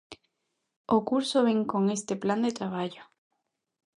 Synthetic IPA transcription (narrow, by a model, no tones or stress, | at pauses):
okuɾsoβeŋko̞ŋe̞st̪epland̪et̪ɾaβ̞aʎo